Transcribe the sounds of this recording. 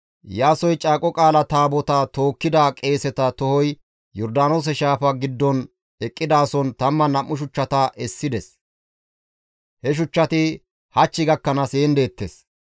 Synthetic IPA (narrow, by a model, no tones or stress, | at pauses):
jaːsɔjt͡ʃʼaːkʼɔkʼaːlɐt̪aːbɔt̪ɐt̪o̞ːkːɪd̪akʼe̞ːsɛt̪ɐt̪ɔhɔj | jɔɾd̪aːno̞ːs̬ɛʃaːfɐɡɪd̪ːɔn | ɛkʼːɪd̪aːsɔnt̪ɐmːɐnɐmːʊʃ̬ʊt͡ʃːɐt̪ɐʔɛsːɪd̪ɛs | hɛʃ̬ʊt͡ʃːɐt̪ɪ | hɐt͡ʃːɪɡɐkːɐnɐseːnd̪e̞ːt̪ːes